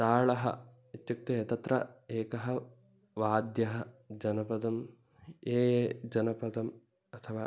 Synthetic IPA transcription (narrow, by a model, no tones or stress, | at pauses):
t̪aːɭɐɦɐ̰ | it̪juk̚t̪eet̪ɐt̪ɾɐ̰eːkɐɦɐ̆ | ʋaːd̪jɐɦɐd͡ʒɐnɐpɐd̪ɐm | eːeːd͡ʒɐnɐpɐd̪ɐm | ɐt̪ʰɐʋaː